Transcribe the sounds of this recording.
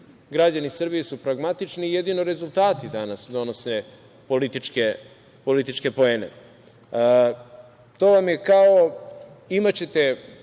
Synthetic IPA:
ɡɾad͡ʑanisr̩bijesupɾaɡmat̪it͡ʂniːje̞d̪inoɾe̞zulˠt̪aːt̪id̪anasd̪o̞no̞sne | po̞lit̪it͡ʃke | po̞lit̪it͡ʃke̞po̞eːnḛ | t̪o̞ːʋamje̞kao | imat͡ɕe̞t̪e

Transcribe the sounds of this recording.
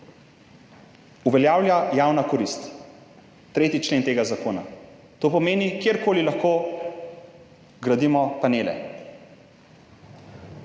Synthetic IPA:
uʋɛljaːwljajaːwnakɔɾist̪ | t̪ɾeːt̪it͡ʃleːnt̪eːɡazakoːna̰ | t̪oːpɔmeːnikjeɾkoːlilaxkoː | ɡɾad̪imɔpaneːlɛ̰

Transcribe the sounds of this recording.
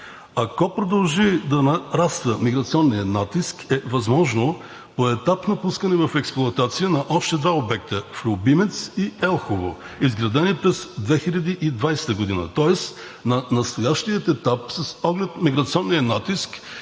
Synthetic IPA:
ɐkɔpɾod̪ɐlˠʒid̪ɐnɐɾast̪vəmiɡɾɐt̪siɔnːijənat̪iskɛvɐzmɔʒno | poɛt̪apnɐpuskənɛvɐfɛksplˠʊɐt̪at̪sijənɐʔɔʃt̪ɛd̪vaobɛk̚t̪əflʲobimɛt̪siɛlˠxovo̰ | izɡɾɐd̪ɛnipɾɛzd̪vɛxiʎʲɐd̪iʔid̪vajsɛ̥t̪əɡod̪inə̰t̪ɔɛs | nɐnɐst̪ojaʃt̪ijət̪ɛt̪apsɐsɔɡlɛt̪miɡɾɐt̪siɔnːiənat̪isk

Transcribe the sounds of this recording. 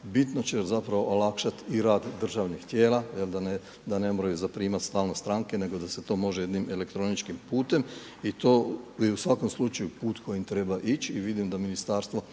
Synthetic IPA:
bit̪no̞t͡ɕezapɾaʋo̞ʔolakʃat̪iɾaːd̪d̪r̩ʒaːʋnixt̪je̞ːlˠajeld̪ane | d̪ane̞moɾajuzapɾiːmat̪st̪aːlnost̪ɾaːŋke̞ne̞ɡo̞d̪ase̞t̪o̞ːmo̞ʒeje̞d̪nime̞le̞kt̪ɾo̞nit͡ʃkimpuːt̪e̞m | it̪o̞ːjeusʋako̞mslut͡ʃajupuːt̪kʰo̞jimt̪ɾe̞baʔit͡ʃiʋid̪imd̪aminist̪aːɾst̪ʋo̞

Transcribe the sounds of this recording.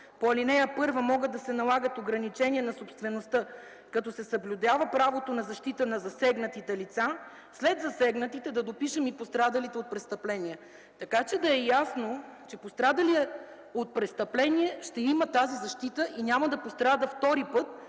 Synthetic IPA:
poɐlinɛjəpɤɾvəmɔɡəd̪ɐsɛnɐlˠaɡət̪oɡɾɐnit͡ʃɛnʲiɛnɐsopst̪vɛnost̪ə | kɐt̪ɔsɛsɐblʲud̪avəpɾavot̪onɐzɐʃt̪it̪ənɐzɐsɛɡnət̪it̪ɛlit̪sa | slɛd̪zɐsɛɡnət̪it̪ɛd̪ɐd̪opiʃəmipost̪ɾad̪ɐlit̪ɛot̪̚pɾɛst̪əplɛnʲiɛ | t̪ɐkat͡ʃɛd̪ɐɛjasnot͡ʃɛpost̪ɾad̪ɐliɛ | ot̪̚pɾɛst̪əplɛniɛʃt̪ɛimət̪azizɐʃt̪it̪əʔinʲamɐd̪ɐpost̪ɾad̪əft̪ɔɾipɤt̪̚

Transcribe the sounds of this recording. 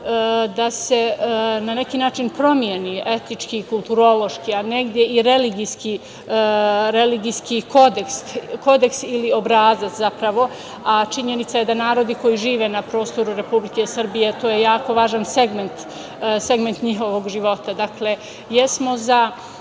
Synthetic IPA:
d̪ase̞nane̞kiːnaːt͡ʃinpɾo̞mje̞niʔe̞t̪nit͡ʃkiːkulˠt̪uɾo̞lo̞ʃkiane̞ɡd̪je̞iɾe̞liɡiski | ɾe̞liɡijskiko̞d̪eksko̞d̪e̞ksilio̞bɾaːzat̪zapɾaʋo̞ | at͡ʃiɲe̞nit̪saje̞d̪anaːɾo̞d̪iko̞jiʒiːʋe̞napɾo̞ːst̪o̞ɾuɾe̞publike̞sr̩bije̞t̪oːjejaːko̞ʋaːʒanse̞ɡment̪ | se̞ɡment̪ɲiɦo̞ʋo̞ɡʒiʋo̞t̪ad̪akle̞ | jesmo̞za

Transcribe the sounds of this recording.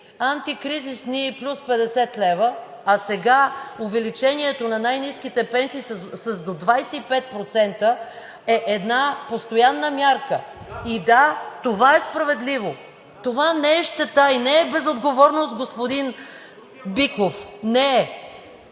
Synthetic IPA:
ant̪ikɾizisniːplʲuspɛd̪ɛsɛt̪lɛvə | ɐsɛɡaovɛlit͡ʃɛniɛt̪onɐnajniskit̪ɛpɛnsiːsəzd̪od̪vajsɛipɛt̪̚pɾot̪sɛnt̪ə | ɛʔɛd̪napost̪ojanːəmʲjaɾkə | id̪at̪ovaɛspɾɐvɛd̪livo | t̪ovanɛɛʃt̪ɛt̪ainɛɛbɛzod̪ɡovɔɾnost̪ɡospod̪in | bikofnɛɛ

